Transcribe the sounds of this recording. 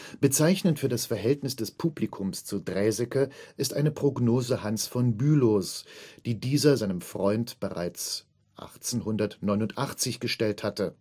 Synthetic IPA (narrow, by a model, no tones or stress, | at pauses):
b̥ət͡saɪçnəntfyːɐdasfɛɐɦɛltnɪsd̥ɛspʰuːblikʰʊmst͡sudʁɛːzɛkəʔɪstʔaɪnəpʁ̥oɡnoːzəhansfɔnbyːlosd̥iːdiːzɐzaɪnəmfʁ̥ɔʏntb̥əʁa̰ɪt͡s | ʔa̰χt͡senɦʊndɐtnɔʏnʊntʔaχt͡sɪçɡ̥əʃtɛlthatə